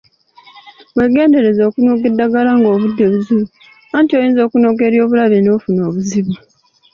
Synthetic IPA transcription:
βwe̞ɡe̞ːnde̞ɾe̞zo̞ːkunoɡedːaɡalaŋɡo̞ːβudːeβuziβu | antiojiːnzo̞ːkuno̞ɡe̞ɾjo̞ːβulaβenofuno̞ːβuziβa

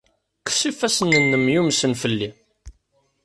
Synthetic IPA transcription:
ksifæsənːənːəmjumsənfəlːi

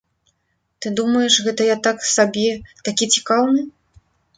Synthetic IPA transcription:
t̪ɨd̪umɐjɛʂɣɛt̪ɐjat̪aksabʲɛt̪akʲit͡sʲi̥kawnɨ

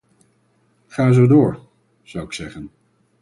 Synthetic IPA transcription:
χaːzowdʊːɹ | z̥ʌwɪksɛχən

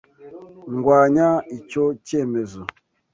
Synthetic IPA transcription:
ŋ̩ɡwaɲait͡ʃot͡ʃemezo

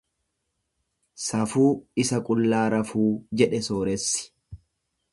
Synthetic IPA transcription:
sɐfuːɪsɐkʼʊlːaːɾɐfuːd͡ʒɛᶑɛsoːɾɛsːɪ̥

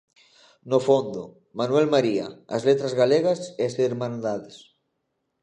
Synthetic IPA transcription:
nofond̪o | manwɛlmaɾia̰ːzlet̪ɾazɣaleɣɐseaseɾmãnd̪aðes

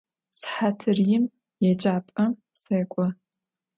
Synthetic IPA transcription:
sħatʰɨrjɪm | jɛd͡ʒʼaːpʼɐmseːkʷʼɔ

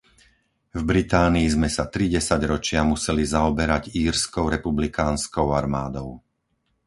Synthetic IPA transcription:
vbɾit̪aːniːzmɛsat̪ɾiɟɛsaɟɾɔt͡ʃɪamusɛlizaɔbɛɾaɟiːɾskɔʊɾɛpublikaːnskɔʊaɾmaːd̪ɔʊ

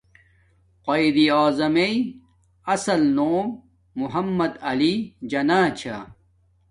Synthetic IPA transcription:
qɐid̪ioːzɐmei | ɐsɐlnoːmː | uɦɐmːɐd̪ɐlid͡ʑɐnaːt͡ɕʰa

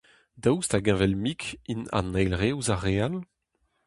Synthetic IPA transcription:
dawstaɡɛ̃vɛlmikʰinã̰nɛjlʁewzaʁeal

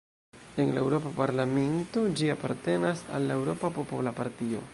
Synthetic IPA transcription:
enlaewɾo̞papaɾlame̞ntod͡ʒiapaɾte̞nasa̰lːe̞wɾo̞papo̞polapaɾtio̞̰

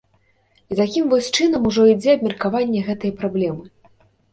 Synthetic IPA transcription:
it̪akʲimvɔsʲt͡ʂɨnɐmuʐɔid͡zʲɛɐbmʲɐrkavanʲːɛɣɛt̪ɐjɛpɾablʲɛmɨ

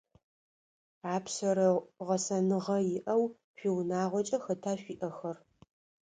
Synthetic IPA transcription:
aːpsɐɾɐʁɐsɐnɨʁɐjɪʔɐw | fiːwnaːʁʷɔt͡ʃʼɐxɐtʰaːɕʷiːʔɐxɐr

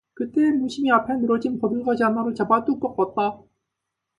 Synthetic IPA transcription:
kɯt͈e̞muɕʰimiapʰenɯɾʌd͡ʑinpʌdɯɭɡad͡ʑianaɾot͡ɕabat͈uk͈ʌk͈at̚t͈a

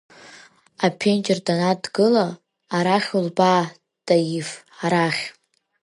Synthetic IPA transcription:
apʰent͡ʃʼɪrdanadɡɨlaː | ɾaχʲulba | d̥ajif | aɾaχʲ

